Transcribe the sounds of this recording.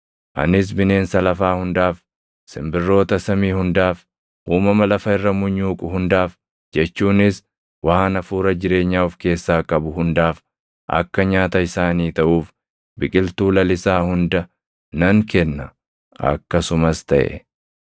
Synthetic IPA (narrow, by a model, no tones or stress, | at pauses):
ʔɐ̰nɪs̬bɪne̞ːnsɐlɐfaːhʊnd̪aːf | sɪmbɪrːo̞ːt̪ɐsɐmiːhʊnd̪aːf | ʔuːmɐmɐlɐfɐɪrːɐmʊɲːuːkʼʊɦʊnd̪aːf | d͡ʒɛt͡ʃːuːnɪs | waaːnɐfuːɾɐd͡ʒɪɾe̞ːɲːaːʊfke̞ːsːaːkʼɐbʊɦʊnd̪aːf | ʔɐ̰kːɐɲaːt̪ɐɪsaːniːt̪ɐʔuːf | bɪkʼɪlt̪uːlɐlɪsaːhʊnd̪ɐ | nɐŋkɛnːɐ | ʔɐ̰kːɐsʊmɐst̪ɐʔɛ̰